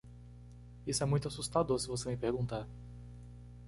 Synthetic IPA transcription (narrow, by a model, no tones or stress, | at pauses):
isʊɛmũj̃t̪ʊasust̪ad̪oɾsɪvosemɪpeɾɡũt̪aɾ